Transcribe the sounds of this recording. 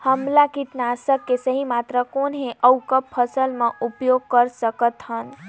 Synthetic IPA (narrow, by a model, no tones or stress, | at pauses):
həmlakiʈnasəkːesəɦimat̪ɾəkonɦeʔəwkəpʰːəsəlmẽʔupjoɡ̚kəɾsəkət̪ɦən